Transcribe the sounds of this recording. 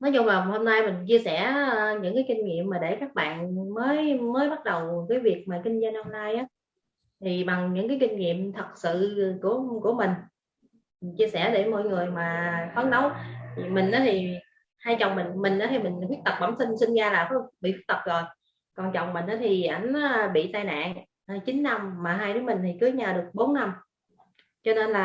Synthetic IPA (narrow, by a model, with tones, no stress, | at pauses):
nɔ˨˦zʊ˧ŋ͡mlaː˨˩˨ho˧mna˧jmï˨˩ŋ̟t͡ɕi˧əsɛ˧˩ɲɨ̰˧˥ŋkaː˨˦jki˧ŋ̟ŋḭ˧˨əmːaː˨˩ɗe˧˩kaː˦˥k̚ɓa̰ː˧˨nməː˨˦jməː˨˦jɓa˦˥t̚ɗə˨˩wkaː˨˦jvi˨˩ək̚maː˨˩kï˧ŋ̟za˧jno˧mnaː˧jʔaː˨˦ | t̪ʰi˨˩ɓa˨˩ŋɲɨ̰˧˥ŋkaː˨˦jkï˧ŋ̟ŋḭ˧˨əmt̪ʰə˨˩t̚sɨ̰˧˨ku˧˩əku˧˩əmï˨˩ŋ̟ | mi˨˩ŋt͡ɕi˧əsɛ̰˧˩ɗe˧˩mɔ̰˧˨jŋɨ˨˩əjmaː˨˩fa˨˦ŋnə˨˦wmï˨˩ŋ̟ʔaː˨˦t̪ʰi˨˩ | haː˧jt͡ɕə˨˩wŋ͡mmï˨˩ŋmï˨˩ŋ̟ʔaː˨˦t̪ʰi˨˩mï˨˩ŋ̟kxwi˦˥ət̚t̪ə˨˩k͡p̚ɓaː˧˩msi˧ŋsï˧ŋ̟zaː˧laː˨˩fa˨˦ɓḭ˧˨fwk̚t̪ə˨˩p̚zo˨˩j | kɔ˨˩nt͡ɕɔ˨˩wŋ͡mmï˨˩ŋ̟ʔaː˨˦t̪ʰi˨˩ʔa˧˩jŋ̟˨˦ɓḭ˧˨t̪aː˧jna̰ː˧˨ŋ | ʔt͡ɕï˨˦n̟ːa˧mmaː˨˩ɦaː˧jɗɨ˨˦mï˨˩ŋ̟t̪ʰi˨˩kɨ˨˦ɲaː˨˩ɗɨ˨˩ək̚ɓo˨˦nːa˧m | t͡ɕɔ˧ne˧nlaː˨˩